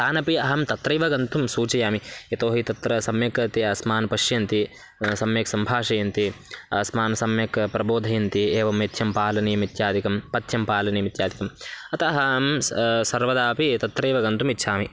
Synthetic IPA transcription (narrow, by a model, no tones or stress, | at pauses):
t̪aːnɐpiɐɦɐmt̪ɐt̪ɾɐjʋɐɡɐnt̪umsuːt͡ʃɐjaːmijɐt̪oːɦit̪ɐt̪ɾɐsɐmjɐkɐt̪iɐsmaːnpɐʃjɐnt̪i | sɐmjɐksɐmbʱaːʂɐjɐnt̪iɐsmaːnsɐmjɐkpɾɐboːd̪ʱɐjɐnt̪ieːʋɐmet̪ʰjɐmpaːlɐnijɐmit̪jaːd̪ʱikɐmpɐt̪ʰjɐmpaːlɐnijɐmit̪jaːd̪ʱikɐmɐt̪ɐɦɐmsɐɾʋɐd̪aːpit̪ɐt̪ɾɐːʋɐɡɐnt̪umit̪ːʃʰaːmi